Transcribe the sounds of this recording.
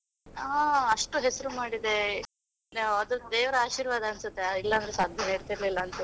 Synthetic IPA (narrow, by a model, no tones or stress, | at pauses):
aːɐʂʈuɦesɐɾumaːɽid̪e̞ | ɐd̪ud̪eːʋɾɐaːʃiːɾʋaːd̪ɐɐnsut̪ːeilːɐːnd̪ɾesaːd̪ʱjɐneɽt̪iɾlilːɐːnt̪u